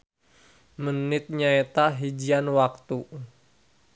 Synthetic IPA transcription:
mənɪt̪̚ɲaet̪aɦid͡ʒianwak̚t̪u

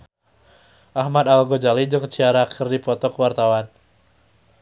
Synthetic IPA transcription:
ʔahmad̪alɡod͡ʒalid͡ʒɨŋt͡ʃiaɾakʰərdipɔt̪ɔkəwart̪awan

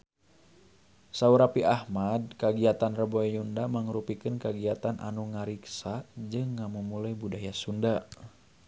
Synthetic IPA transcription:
sauɾapiʔahmad̚kaɡiat̪anrəbɔjundamaŋɾupikɨnkaɡiat̪anʔa̰nuŋaɾiksad͡ʒɨŋːamumulajbudajasunda

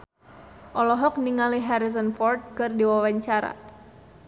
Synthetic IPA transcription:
ʔɔlɔɦɔk̚niŋaliɦaɾizɔnfɔrt̪̚kɨrdiwawaɲt͡ʃaɾa̰

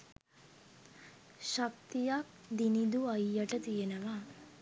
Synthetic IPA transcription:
ʃɐk̚t̪ijaːk̚ | d̪inid̪uɐjːɐʈɐt̪ijɐnɐʋaː

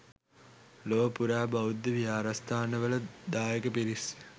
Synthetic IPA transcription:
loːpuɾaːbaud̪ːəʋijaːɾast̪ʰaːnəʋələd̪aːjekəpiɾis

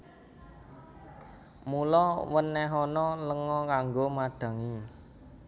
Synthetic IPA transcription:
mulɔwənːɛɦɔnɔləŋɔkaŋɡomaɖ̪̥ä̤ŋi

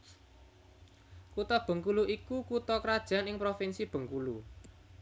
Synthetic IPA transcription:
kut̪ɔb̥ə̤ŋkuluʔikukut̪ɔkɾad̥ʒ̥a̤nɪŋpɾofɪnsib̥ə̤ŋkulu

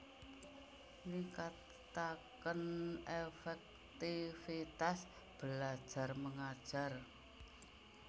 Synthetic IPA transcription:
niŋka | t̪akənefɛk̚ | t̪ifit̪as | b̥əlad̥ʒ̥a̤rməŋad̥ʒ̥a̤r

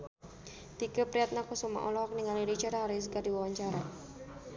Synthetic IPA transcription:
t̪ikəpɾiat̪̚nakusuma̰ʔɔlɔhɔk̚niŋaliɾit͡ʃaɾaɦaɾis̬ɡadiwawaɲt͡ʃaɾa

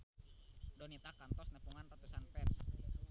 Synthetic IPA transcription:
dɔnit̪akant̪ɔsnəpuŋant̪at̪usanpɛrs

